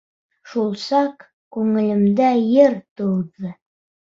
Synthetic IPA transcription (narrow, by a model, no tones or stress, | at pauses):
ʃulˠsɑq | kʉŋɘ̆lɘ̆md̪æjɘɾt̪ɤ̆wðɤ